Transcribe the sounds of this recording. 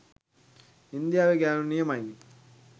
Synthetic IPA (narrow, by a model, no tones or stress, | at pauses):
ind̪jaːʋeɡaːlunijɐmaːji